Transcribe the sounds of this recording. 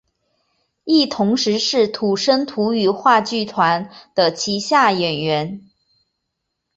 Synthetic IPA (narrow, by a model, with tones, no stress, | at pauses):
i˥˩t̪ʰʊ˧˥ŋʂɻ̩˧˥ʂɻ̩˥˩t̪ʰu˨˩ʂə˥nt̪ʰu˧˥y˨˩xwa˥˧t͡ɕy˥˩t̪ʰwa˧˥nd̪̥ə˨t͡ɕʰi˧˥ɕja˥˩jɛ˨˩nɥɛ˧˥n